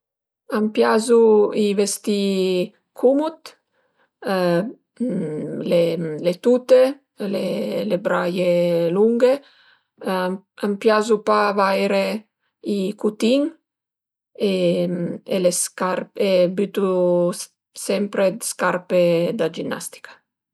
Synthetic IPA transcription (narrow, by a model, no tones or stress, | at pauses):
ampjazuivest̪i | kʰumut̪ | lelet̪ut̪e | lelebɾajeluŋɡe | ampjazupavajɾe | ikut̪iŋ | e | eleskaɾpebyt̪u | sɛmpɾeskaɾped̪ad͡ʒinːa̰st̪i̥kḁ